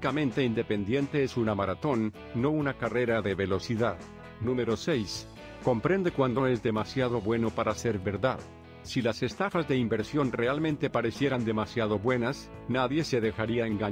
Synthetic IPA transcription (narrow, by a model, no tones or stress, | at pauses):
kamẽ̞nt̪e̞ind̪e̞pe̞nd̪je̞nt̪e̞esunamaɾat̪o̞nː | o̞unakare̞ɾaðe̞βe̞lo̞siðað | nũme̞ɾo̞se̞js | ko̞mpɾe̞nd̪e̞kwand̪o̞e̞zðe̞masjaðo̞βwe̞no̞paɾase̞ɾβe̞ɾða̰ð | silase̞st̪afazðe̞imbe̞ɾsjo̞nre̞almẽ̞nt̪e̞paɾe̞sje̞ɾand̪e̞masjaðo̞βwe̞nasnaðje̞se̞ðe̞xaɾiaeŋɡa